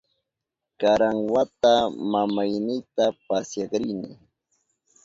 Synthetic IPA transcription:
kaɾaŋwat̪amamajnɪjt̪apasjɑqɾɪjnɪ

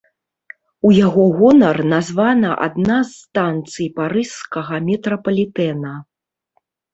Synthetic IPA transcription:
ujaɣɔɣɔnɐrnazvanɐʔa̰d̪nazt̪ant̪sɨjpaɾɨskɐɣɐmʲɛt̪ɾɐpɐlʲit̪ɛnɐ

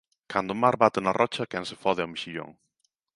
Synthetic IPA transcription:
kand̪ʊmaɾβat̪ɪnɐrʔɔt͡ʃɐkɛnsefɔðeɪamiʃiʎo̰ŋ

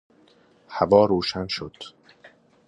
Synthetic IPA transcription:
hævɒːɾoːʃænʃod̪̥

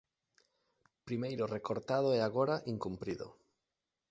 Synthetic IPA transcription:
pɾimejɾʊrekoɾt̪aðoɛaɣoɾaʔiŋkumpɾiðo̰

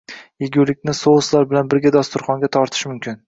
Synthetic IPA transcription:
jeɡʲuwlɪkʲnɪsoʊslˠaɾbɪlanbɪɾɡʲad̪ɒst̪ʊɾχɒŋɡʲat̪ʰɒɾt̪ʰɪ̥ʃmʊmkʲʰɪn

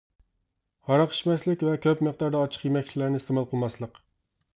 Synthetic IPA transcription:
hɑɾɑqʰə̥ʃmɛslɪkʲvɛkʲʰøpməq̚d̪ɑɾd̪ɑɑt͡ʃʰə̥qjemɛkʲlʲlæɾnɪist̪ɪmɑlˠqʰəlˠmɑslˠəq

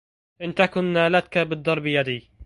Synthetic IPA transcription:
ʔɪnt̪akʊnːaːlat̪̚kabɨd̪ˤːɑɾˤbɪjad̪iː

